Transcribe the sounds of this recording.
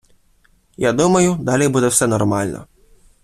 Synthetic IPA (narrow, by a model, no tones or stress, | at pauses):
jad̪umɐjʊd̪ɑlʲijbud̪ɛwsɛnɔrmɑlʲnʔɔ̰